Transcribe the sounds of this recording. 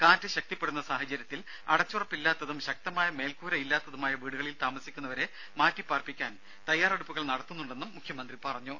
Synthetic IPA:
kaːntɨɕɐk̚t̪ipːe̞ɽunːɐsaːhɐt͡ɕɐɾjɐt̪ːil | ɐɽɐt͡ɕːurɐpːilːaːt̪ːɐðumɕɐk̚t̪ɐmaːjɐme̞ːlkuːɾɐilːaːt̪ːɐðumaːjɐʋiːɽuɣɐɭilt̪aːmɐsikʲːunːɐʋɐɾe̞ | maːtːipːaːrpikʲːaːn | t̪ɐjːaːreɽupːuɣɐɭnɐɽɐt̪ːunːuɳɖe̞nːumːukʰjɐmɐnd̪ripɐrɐɲːu

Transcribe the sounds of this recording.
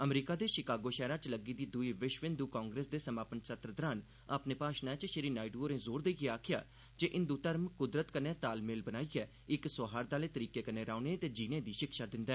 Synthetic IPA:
əmɾiːkaːd̪eːʃɪkaːɡoːʃɛːɾãːt͡ʃləɡiːd̪iːd̪ʊiːʋɪʃʋɪ̃nd̪uːkãːŋɡɾeːsd̪eːsəmaːpənsət̪ɾəd̪əɾaːn | aːpneːpaːʃnɛːt͡ʃʃɪɾiːnaːɪɖuːoɾẽːzoːɾd̪eiɡeaːkʰɪja̰ː | d͡ʒeːʔɪ̃nd̪uːt̪əɾmkʊd̪ɾət̪kəneɛːt̪aːlmɪːlbənaːiːɛː | ɪksoːɦaːɾd̪aːleːt̪əɾiːkeːkəneːɾaːnet̪eːd͡ʒiːnẽːd̪iːʃɪkʃaːd̪ɪ̃nd̪ɛː

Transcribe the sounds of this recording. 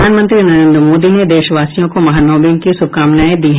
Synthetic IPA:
aːnmə̃nt̪ɾinɐɾẽːnd̪ɾəmoːd̪ined̪eːʃʋaːsijõkomɐɦanɔːbɪ̃ŋɡ̚kisʊb̚kaːmnaːid̪iːɦ

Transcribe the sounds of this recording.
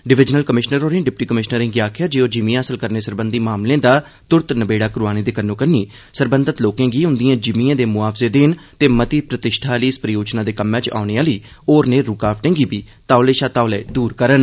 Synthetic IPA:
ɖɪʋɪd͡ʒnəlkəmɪʃnəɾoːɾẽːɖɪpʈiːkəmɪʃnəɾɪ̃ːŋɡiaːkʰjaːd͡ʒeːoːd͡ʒɪmĩãːəsəlkəɾneːsəɾbənd̪iːmaːmlẽːd̪aː | t̪ʊɾt̪nəbeːɽaːkɾʊuaːñiːd̪eːkənːõːkəniː | səɾbənd̪ət̪loːkẽːɡiːʊ̃nd̪ijãːd͡ʒɪmiãːd̪eːmʊaːpʰzeːd̪eːnt̪eːmət̪iːpɾət̪ɪʃʈʰaːliːspɾəjoːd͡ʒnãːd̪eːkəmːɛ̃ːt͡ʃa̰ːneːãːliː | oːɾneːɾuːkaːpʰʈẽːŋɡiːbiː | t̪aːleːʃaːt̪aːʊlɛːd̪uːɾkəɾən

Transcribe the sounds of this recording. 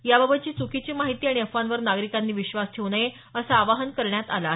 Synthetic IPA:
jababʱət̪̚t͡ɕiːt͡sukit͡ɕiːmaɦit̪iːaɽ̃iəfʋanʋəɾnaɡɾikanːiːʋiɕʋasʈʰeʋnaje | əsaːʋaɦənkəɾɳjat̪ala

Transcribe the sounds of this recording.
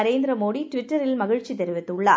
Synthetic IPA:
ɐɾeːnd̪ɪɾɐmoːɽiʈʋɪʈːɐɾɪlmɐɣɪɻt͡ʃːit̪ɛɾɯʋɐt̪ːɯɭːa

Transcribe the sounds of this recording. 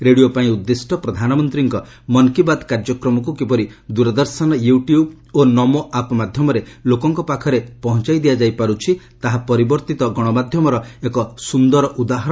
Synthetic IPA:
ɾeɽijopaĩud̪ːesʈʰɔpɾɔd̪ʱanɔmɔnt̪ɾiŋkɔ | mɔnkibad̪kaɾd͡ʒɔkɾɔmɔkukipɔɾid̪uɾɔd̪ɔɾsɔnɔjuʈijub | onɔmoʔapmad̪ʱjɔmɔɾelokɔŋkɔpakʰɔɾepɔɦɔnt͡ʃajd̪ijad͡ʒajpaɾut͡ʃʰi | t̪aɦapɔɾibɔɾt̪it̪ɔɡɔɽ̃ɔmad̪ʱjɔmɔɾɔekɔsund̪ɔɾɔʔud̪aɦɔɾ

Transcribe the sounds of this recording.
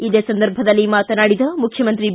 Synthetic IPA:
id̪eːsɐnd̪ɐɾbʱɐd̪ɐlːimaːt̪ɐnaːɽid̪ɐmukʰjɐmɐnt̪ɾi

